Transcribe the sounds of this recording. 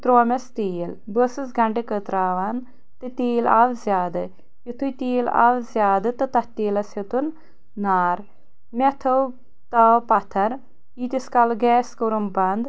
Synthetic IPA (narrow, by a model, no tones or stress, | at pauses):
t̪ɾoːmɐst̪iːl | bəsɨsɡɐɳɖekət̪ɾaːʋan | t̪ɨt̪iːla̰ʋzʲjaːd̪ɨ | jut̪ʰujt̪iːla̰ʋzʲjaːd̪ɨt̪ɨt̪ɐht̪iːlɐsɐt̪unː | aːɾ | met̪ʰɐw | t̪ɐwpɐt̪ʰɐɾ | it̪ʲiskɐlɡɛːskuɾumbɐnd̪